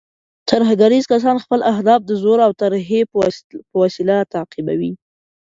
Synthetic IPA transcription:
t̪aɾɦaɡaɾizkas̬ɑnxpəlaɦd̪ɑf̚d̪əzoɾawt̪aɾɦepəwasilat̪aːqiba̰wi

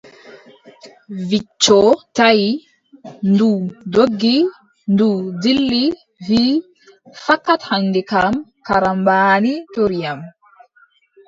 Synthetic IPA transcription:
vit͡ʃːɔtaj | ndudoɡːi | ndudilːi | vi | fakːathandikamkaɾambaːnitoɾijam

